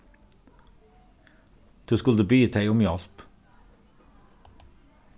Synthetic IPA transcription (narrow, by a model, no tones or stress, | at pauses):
d̪̥ʉːskʉləbyːt̪ʰeɪʊmjɑlp